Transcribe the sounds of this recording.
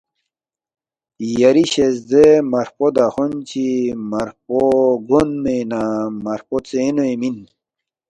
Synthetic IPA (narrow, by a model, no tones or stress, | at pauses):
jɐɾiɕezd̪emɐɾpod̪axont͡ɕimɐɾpoɡonmenamɐɾpot͡seːnoemin